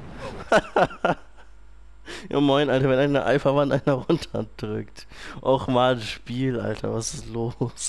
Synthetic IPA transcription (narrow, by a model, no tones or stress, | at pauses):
ja̰ːmaɪnʔaltɐvɛnaɪnəʔa̰ɪfɐvantʔaɪnɐʁʊntʰɐ̰d̥ʁʏ̰kt | ʔaʊxmaːlʃpiːlʔa̰ltʰɐvasɪstloːs